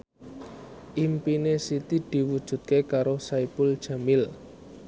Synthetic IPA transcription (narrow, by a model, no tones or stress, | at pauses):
ʔimpinesit̪id̪̥i̤wud̥ʒ̥ṳt̪̚kekaɾosaipʊld̥ʒ̥a̤mɪl